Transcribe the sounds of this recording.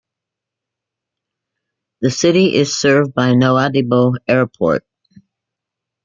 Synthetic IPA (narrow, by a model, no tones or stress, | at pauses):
ðɨsɪɾiʔɪz̥sɜ˞v̚baɪnoʊædiboʊɛɹpʰɔ̰ɹt̚